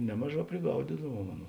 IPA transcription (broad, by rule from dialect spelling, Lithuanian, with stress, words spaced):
ˈnʲæːmɐˌʒɑː pʲrʲɪˈɡɐʊdʲɪdɐʋuɔm ˈɑːˌnuː